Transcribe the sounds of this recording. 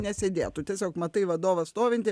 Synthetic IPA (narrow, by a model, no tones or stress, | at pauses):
nʲɛsʲeːd̪ʲeːt̪ʊt̪ʲiɛsʲoːkmɐt̪ɐɪʋɐd̪oːʋɐst̪oːʋʲɪnʲt̪ʲɪ